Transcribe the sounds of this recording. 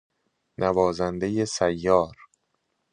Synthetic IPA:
nʔævɒːzænd̪e̞je̞sæjːɒːɾ

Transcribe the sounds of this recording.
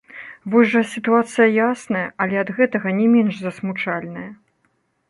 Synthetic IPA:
vɔjʲʐɐsʲit̪uat̪sɨjɐjasnɐjɐʔɐlʲɛɐd̪ɣɛt̪ɐɣɐnʲɛmʲɛnʐzɐsmut͡ʂalʲnɐjɐ

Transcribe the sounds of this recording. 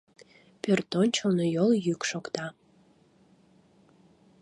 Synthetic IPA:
pørt̪ont͡ɕonojoljykʃokt̪ɑ

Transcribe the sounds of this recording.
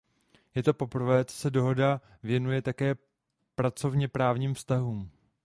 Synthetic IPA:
jɛt̪o̞po̞pr̩vɛːt͡sosɛdo̞ɦo̞da | vjɛnujɛt̪akɛː | pɾat͡so̞vɲɛpɾaːvɲiːmfst̪aɦuːm

